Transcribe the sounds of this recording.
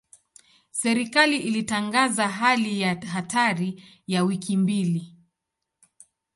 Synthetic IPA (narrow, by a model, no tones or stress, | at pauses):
sɛɾikaliʔilitaŋɡazaɦalijaɦataɾi | jawikʰimbili